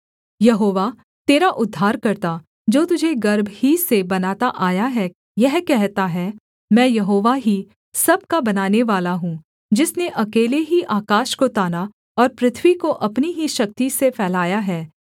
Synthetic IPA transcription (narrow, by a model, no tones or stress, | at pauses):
jɐɦoːʋa | t̪eːɾaʔʊd̪ʱːaːɾkɐɾt̪a | d͡ʒoːt̪ʊd͡ʒʱeɡɐɾbʱhisebɐnaːt̪aʔaːjaɦɛ | jɛɦkɛɦt̪aɦɛ | mɛ̃ːjɐɦoːʋaɦi | sɐb̚kabɐnaːneʋaːlaɦũː | d͡ʒɪsneʔɐkeːleɦiʔaːkaːʃkot̪aːna | ɔːɾpɾɪt̪ʰʋikoʔɐpniɦiʃɐk̚t̪isefʰɛːlaːjaɦɛː